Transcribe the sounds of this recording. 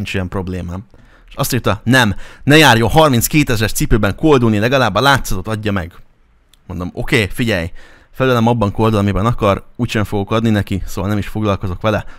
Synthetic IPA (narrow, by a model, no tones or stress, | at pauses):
nt͡ʃijɛmpro̞bleːmaːm | ʃɒst̪iːt̪ɒnɛmnɛjaːrjo̞ɦɒrminskeːt̪ɛzɛrt̪sipøːbɛŋko̞ld̪unilɛɡɒlaːbːɒlaːt̪sɒt̪o̞t̪ɒɟːɒmɛ̰ɡ | mond̪o̞mo̞keːfiɟɛj | fɛløːlɛmɒbːɒŋko̞ld̪ulɒmibɛnɒkɒruːcʃɛɱfoɡo̞kɒd̪ninɛkisoːvɒlnɛmiʃfo̞ɡlɒlkozo̞kʋɛlɛ